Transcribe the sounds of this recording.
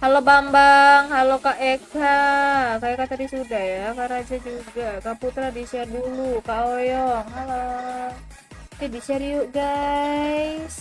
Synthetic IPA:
halobambaŋhalokaʔekakaekat̪adisudahjakaɾad͡ʒad͡ʒuɡakaput̪ɾadisiadulukaojɔŋhalo | d͡ʒabisiaɾiuʔɡa | is

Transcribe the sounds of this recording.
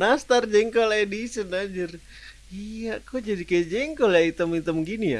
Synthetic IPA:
nast̪ard͡ʒɛŋkolaedisənad͡ʒər | ijakod͡ʒadikajad͡ʒɛŋkɔljait̪əmit̪əmɡinija̰

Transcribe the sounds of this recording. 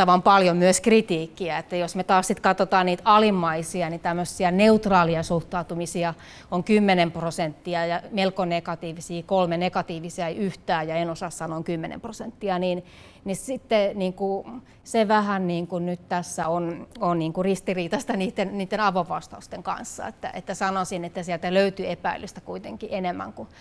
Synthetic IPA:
ɑʋɑmpɑljomyøskrit̪iːkːiæet̪ːæjosmet̪ɑːssit̪kɑt̪ot̪ɑːnniːt̪ɑlimːɑisiɑnit̪æmːøsːiæneut̪rɑːliɑsuht̪ɑut̪umisiɑ | oŋkymːenemprosent̪ːiɑjɑmelkonekɑt̪iːʋisiːkolmenekɑt̪iːʋisiɑyht̪æːjɑenosɑsːɑnoːŋkymːenḛmprosent̪ːiɑniːn | nisit̪ːeniːŋku | seʋæhænniːŋkunnyt̪t̪æsːæononniːŋkurist̪iriːt̪ɑst̪ɑniːt̪ːenniːt̪ːenɑʋoʋʋɑst̪ɑust̪eŋkɑ̰nsːɑ̰ḛt̪ːæ̰ʔḛt̪ːæsɑnosinet̪ːæsiælt̪æløyt̪yepæ̰ilyst̪ækuit̪eŋkiʔenemːæ̰ŋku

